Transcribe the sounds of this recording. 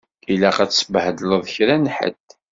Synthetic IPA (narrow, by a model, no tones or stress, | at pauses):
ilæqæt͡sːsəbhd̪ləðˤçɾænħə̰d̪